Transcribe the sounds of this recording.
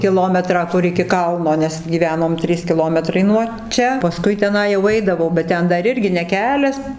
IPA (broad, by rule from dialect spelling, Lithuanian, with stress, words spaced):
kʲɪˈlˠoːmʲɛtrɑː ˈkʊr ɪkʲɪ ˈkɐlˠnoː ˈnʲɛs ɡʲiːˈʋʲæːnoːm ˈtʲrʲiːs kʲɪˈlˠoːmʲɛtrɐɪ nuɔ ˈt͡ʃʲɛ pɐˈskʊɪ tʲɛˈnɐɪ jɛʊ ˈɐɪdɐʋɐʊ bʲɛt ˈtʲɛn ˈdɐr ˈɪrʲɡʲɪ nʲɛ ˈkʲæːlʲɛs